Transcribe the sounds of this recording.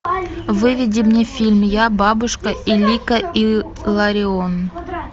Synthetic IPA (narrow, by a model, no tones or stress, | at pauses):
vɨvʲidʲimnʲefʲilʲmʲjabɑbuʂkəʔilʲikəi | lˠɐɾʲɪon